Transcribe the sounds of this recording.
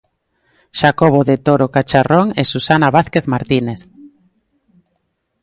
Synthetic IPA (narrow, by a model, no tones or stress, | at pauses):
ʃakoβoðet̪oɾokat͡ʃaroŋesusanaβaθkeθmaɾt̪ineθ